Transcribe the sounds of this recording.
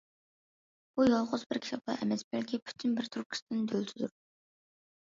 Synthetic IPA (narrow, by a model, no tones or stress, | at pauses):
b̥ujɑlˠʁʊzbɪɾkʲi̥t̪ʰɑp̪̚ɑ̰ʔɛmɛsbɛlkʲʰipʰy̥t̪ʰɪnbɪɾt̪ʰuɾp̚kʲʰi̥st̪ʰɪnɪd̪ʰølt̪ʰyzyɾ